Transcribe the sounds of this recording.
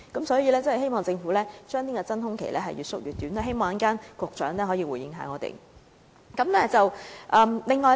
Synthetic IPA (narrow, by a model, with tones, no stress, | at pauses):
kɐ˨˥msɔː˨˥ji˨˧lɛː˥t͡sɐ˥hɦe˥jmɔː˨˩ŋt͡sɪ˧ŋfuː˨˥lɛː˥t͡ʃœː˥ŋniː˥kɔː˧t͡sɐ˥nhʊ˥ŋkʰe˨˩lʔɛː˥ɦɐ˨jyː˨tsʊ˥k̚jyː˨˩t̪ːyː˨˥nɛ˥ɦe˥jmɔː˨˩ŋɐ˥kaː˥nkʷʊː˨˧k̚t͡ʃœː˨˥ŋnlɛː˥ɦɔː˨˥jiː˧wuː˨˩jɪ̰˨˧ŋɦa̰˨˥ŋɔː˨˧t̪ḛ˨˩j | kɐ˨˦mlɛː˥t͡sɐ˨wʔɐː˨mlɪ˨ŋːɔː˨˧